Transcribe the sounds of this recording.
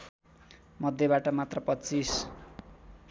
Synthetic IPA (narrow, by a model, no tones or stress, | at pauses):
mʌd̪ʱjʌβaʈʌmat̪rʌpʌt͡sis